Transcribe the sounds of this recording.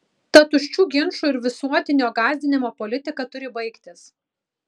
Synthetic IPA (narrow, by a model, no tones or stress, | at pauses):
t̪ɐt̪ʊʃʲt͡ʃʲuːɡʲɪnʃuːɪɾʋʲɪsuɔt̪ʲɪnʲoːɡɑːzʲd̪ʲɪnʲɪmoːpɔlʲɪt̪ʲɪkɐt̪ʊɾʲɪbɐɪkt̪ʲɪs